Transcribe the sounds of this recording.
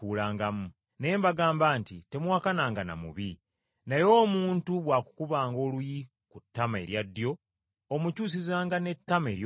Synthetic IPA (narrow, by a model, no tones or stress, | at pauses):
uːlaːŋɡamu | ne̞ːmbaɡaːmbaːntite̞mwaːkanaːŋɡana̰mṵβi | najo̞ːmuːntuβwaːku̥kuβaːŋɡo̞ːluji | kutːamae̞̰ɾjadːjo̞ | omucuːs̬izaːŋɡane̞tːame̞ɾj